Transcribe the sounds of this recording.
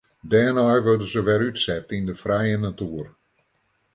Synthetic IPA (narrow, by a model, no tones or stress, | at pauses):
dɛːnɔjʋørdənzəʋɛɾytsɛtindəfrɛjənatuər